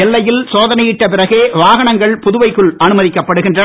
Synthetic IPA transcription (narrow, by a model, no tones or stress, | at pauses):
ɛlːɐjɪlsoːðɐnɐjɪʈːɐpɪrɐɣeːʋaːɣɐɳɐŋɡɐɭpʊðʊʋɐɪkːɯɭɐnɯmɐðɪkːɐpːɐɽɯɣɪndrɐ